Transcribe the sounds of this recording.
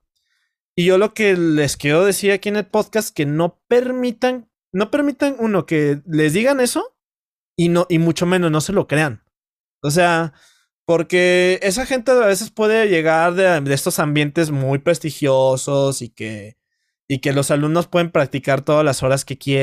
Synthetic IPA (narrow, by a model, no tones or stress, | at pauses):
iʝo̞lo̞ke̞le̞skeoðe̞siɾakie̞ne̞lpo̞ðkast̪ke̞no̞pe̞ɾmit̪an | no̞pe̞ɾmit̪anuno̞ke̞le̞zðiɣane̞so̞ | inoʔimut͡ʃo̞mẽnosno̞se̞lo̞kɾe̞an | os̬e̞a | po̞ɾke̞e̞s̬axe̞nt̪e̞aβe̞se̞spwe̞ðe̞ʝe̞ɣaɾðeð̞est̪o̞sambje̞nt̪e̞zmujpɾe̞st̪ixjoso̞sike | ike̞lo̞salumno̞spwe̞ðe̞mpɾak̚t̪ikaɾt̪o̞ðalaso̞ɾaske̞kje